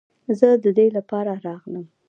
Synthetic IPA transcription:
zəd̪əd̪elapɑɾaɾɑɣnəm

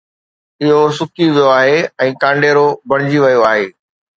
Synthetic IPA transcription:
ɪɦosʊkiʋijoaːɦeɛ̃ːkãːɳɖeːɾobɐɽ̃ɪd͡ʑiʋɐjoaːɦeː

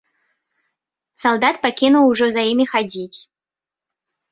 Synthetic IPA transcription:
sɐlˠd̪at̪pɐkʲinʊlˠʊʐɛzɐimʲɪxɐdʲitʲ

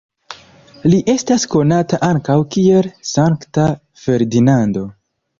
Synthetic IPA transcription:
liʔe̞stasko̞nataʔaŋkawkie̞lsaŋkta | fe̞ɾdinando̞

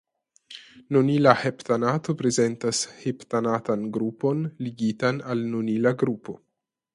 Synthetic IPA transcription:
nunilaheptanato̞pɾeze̞ntasheptanatanɡɾupo̞nliɡitanalnunilaɡɾupo̞

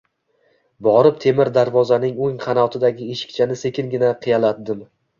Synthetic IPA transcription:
bɒɾɪpt̪ʰe̞mɪɾd̪aɾvɒzanɪŋoŋqʰɑnɒt̪ʰɪd̪aɡʲɪeʃɪ̥k̚ʲt͡ʃʰanɪse̞kʲɪŋɡʲɪnaqʰɨjalat̪̚d̪ɪm

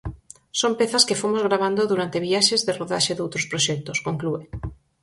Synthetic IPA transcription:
sompeθaskefomozɣɾaβ̞and̪oðuɾant̪eβiaʃezðeroðaʃeðowt̪ɾoʊspɾoʃɛk̚t̪oskoŋklue

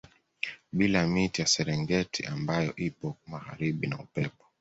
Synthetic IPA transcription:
ɓilamitijasɛɾɛŋɡɛtʰiʔambajɔʔipɔmaɣa̰ɾiɓinaupɛpɔ̥

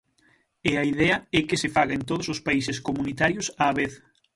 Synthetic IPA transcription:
eaiðɛɐɛkɪsɪfaɣaent̪oðʊsʊspaisɪskomunit̪aɾjʊsaːβeθ

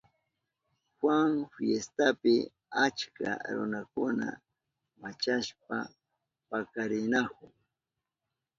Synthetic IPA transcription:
xwaŋfjest̪apɪ | at͡ʃka̰ɾʊ̰nakʊna̰ | mat͡ʃaʃp̚a | pakaɾɪnakʊŋ

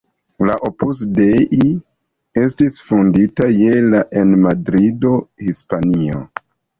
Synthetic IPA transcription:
laʔopusdeʔi | e̞stisfunditaje̞laʔenmadɾido̞hispanio̰

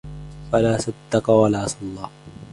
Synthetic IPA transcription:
falaːsad̪ːɑqɑwalaːsɑlˤːɑː

